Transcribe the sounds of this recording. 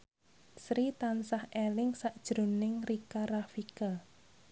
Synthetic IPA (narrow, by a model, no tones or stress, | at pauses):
sɾit̪ansahelɪŋsaʔd̥ʒ̥ɾo̤nɪŋrikarafika